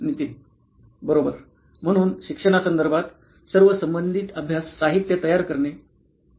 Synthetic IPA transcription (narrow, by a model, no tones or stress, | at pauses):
nit̪in | bəɾobəɾ | m̤əɽ̃uːnɕikʂəɽ̃asənd̪əɾbʱat̪ | səɾʋəsəmbənd̪ʱit̪əbʱjasːaɦit̪jət̪əjaɾkəɾɳe